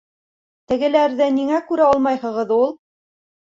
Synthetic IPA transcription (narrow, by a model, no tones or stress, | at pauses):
t̪ɘ̆ɡɘ̆læɾðɘniŋækʉɾæɑlˠmɑjhɤ̆ʁɤðulˠ